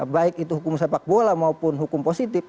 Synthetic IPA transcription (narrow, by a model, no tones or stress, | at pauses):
baikit̪uɦukumsepak̚bolamaupʊnɦukumposit̪ip